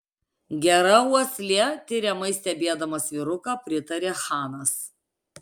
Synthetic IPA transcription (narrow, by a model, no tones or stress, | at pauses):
ɡʲɛɾɐuɔsʲlʲɛt̪ʲɪɾʲɛmɐɪsʲt̪ʲɛbʲeːd̪ɐmɐsʋʲɪɾʊkɑːpʲɾʲɪt̪ɐɾʲeːxɑːnɐs